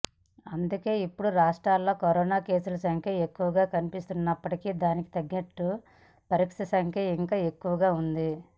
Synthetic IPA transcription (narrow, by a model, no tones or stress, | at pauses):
ɐnd̪uke̞ːipːuɽuɾaːʂʈɾaːlːo̞ːkɐɾɔːnaːke̞ːsulɐsɐŋkʰjɐe̞kːuʋɐɡaːkɐnipist̪unːɐpːɐʈikid̪aːniki̥t̪ɐɡːinɐʈːu | pɐɾikʂɐsɐŋkʰjɐiŋkaːe̞kːuʋɐɡaːund̪i